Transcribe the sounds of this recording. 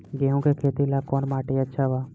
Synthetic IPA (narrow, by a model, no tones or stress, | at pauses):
ɡeɦũkekʰeːt̪ilakɔːnmaːʈeətːʃʰaʋaː